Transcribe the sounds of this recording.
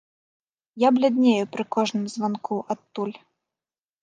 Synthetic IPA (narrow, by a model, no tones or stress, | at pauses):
jablʲad̪ʲnʲejupɾɨkɔʐnɨmzvankuʔat̪ːulʲ